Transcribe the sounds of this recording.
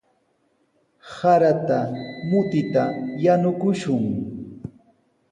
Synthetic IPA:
saɾat̪amʊt̪ɪt̪ajanʊkʊʃʊŋ

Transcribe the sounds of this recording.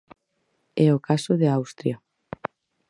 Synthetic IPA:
ɛokasoðeawst̪ɾja

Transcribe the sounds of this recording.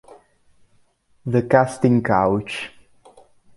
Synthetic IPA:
ðəkastɪ̃ŋkʰaʊt͡ʃ

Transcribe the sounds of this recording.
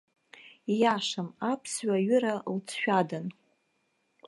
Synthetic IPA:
jaʂamapʰsɥaɥʏɾalt͡sʰʃᶣadan

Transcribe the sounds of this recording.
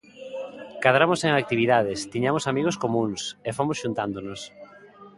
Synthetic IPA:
kaðɾamoseŋak̚t̪iβiðað̞ɪst̪iɲamosamiɣoskomũŋsefomosʃunt̪and̪onos

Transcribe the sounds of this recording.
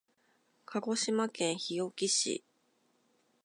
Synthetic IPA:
kʰaɡo̞ɕimakẽ̞ɰ̃çijo̞kʲiɕḭ

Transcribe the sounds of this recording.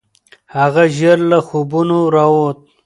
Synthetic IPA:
haɣaʒaɾlaxobunoɾawot̪̚

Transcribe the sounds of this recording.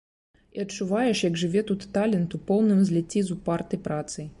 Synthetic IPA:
iɐtt͡ʂːuvajɛʂjɐɡʐɨvʲɛt̪ut̪ːalʲɛnt̪upɔwnɨmzʲlʲɛt͡sʲːizupart̪ɨjpɾat̪sɨ

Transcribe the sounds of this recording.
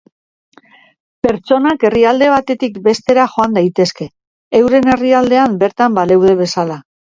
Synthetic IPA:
pe̞ɾt͡ʃo̞nake̞riald̪e̞β̞at̪e̞t̪ikbe̞st̪e̞ɾaʝo̞and̪ajt̪e̞ske̞ː | wɾe̞ne̞riald̪e̞ambe̞ɾt̪ambale̞wð̞e̞βe̞sala

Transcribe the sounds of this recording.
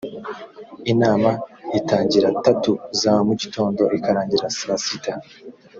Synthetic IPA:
inaːmaitaːɲɟiɾatatuzamuɟito̞ːndo̞ʔikaɾaːɲɟiɾasasita

